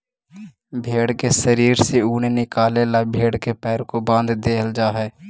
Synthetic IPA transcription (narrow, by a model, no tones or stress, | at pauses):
bʱeːɽkesəɾiːɾseuːnenɪkaːlelabʱeːɽkepɛːɾkobãːnd̪d̪eːəld͡ʒaːɦɛː